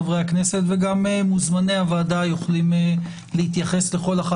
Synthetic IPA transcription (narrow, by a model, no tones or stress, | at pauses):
vʁejakne̞se̞t̪veɡamemuzmaneavaːd̪ajuχlime | lehit̪jaχe̞sle̞χo̞laχa